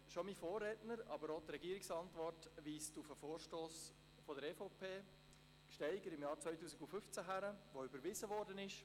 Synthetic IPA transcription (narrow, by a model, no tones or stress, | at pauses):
ʃomifoːrɛtnəɾɑbəɾotɾɛɡiəɾɪksɑntvɔrtʋiːstufəfoːɾʃtoːs | fɔdəɾɛfopʰeː | kʃtɛɪɡəɾɪmjɑːɾt͡svœʏtuːsiɡufʏft͡sæɦæɾəʋoʏbəɾvɪzəʋɔɾdənɪʃ